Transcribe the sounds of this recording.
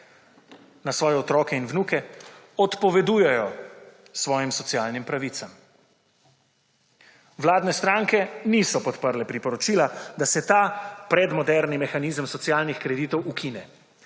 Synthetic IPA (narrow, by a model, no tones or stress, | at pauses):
nasʋɔːjɛɔt̪ɾɔːkɛinwnuːkɛɔt̪pɔʋɛd̪uːjɛjɔ | sʋɔːjimsɔt̪sijaːlnimpɾaʋit̪sam | wlaːd̪nɛst̪ɾaːŋkɛniːsɔpɔt̪pəɾlɛpɾipɔɾɔt͡ʃilad̪asɛt̪aːpɾɛd̪mɔd̪ɛɾnimɛxaniːzəmsɔt̪sjaːlnixkɾɛd̪it̪ɔwʔukʰinɛ